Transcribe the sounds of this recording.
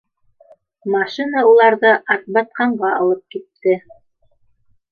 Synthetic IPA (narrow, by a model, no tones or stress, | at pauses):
mɑʃinɑulˠɑɾðɤʔɑθbɑt̪̚qɑɴɢɑɑlˠɤp̚kit̪ːɘ